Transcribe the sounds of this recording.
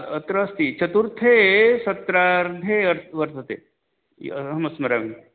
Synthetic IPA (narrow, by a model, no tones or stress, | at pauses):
ət̪ɾəːst̪it͡ʃɐt̪uɾt̪ʰesɐt̪ɾaɾd̪ʱeɐɾʋɐɾt̪ʰət̪ḛ | ɦɐmɐsmɐɾaʋ